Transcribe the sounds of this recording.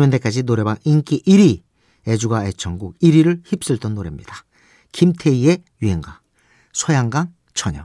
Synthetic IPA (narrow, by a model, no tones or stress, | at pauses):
mjʌnde̞k͈ad͡ʑinoɾe̞baŋink͈iʔiɾi | e̞d͡ʑuɡaet͡ɕ͈ʌŋɡuk̚iɾiɾɯɭçip̚s͈ɯɭt͈ʌnːoɾḛmɲḭd̥ḁ | kimtʰe̞ie̞jiɦeŋɡwa | sʰʌjaŋɡaŋ | t͡ɕʰʌɲʌ̰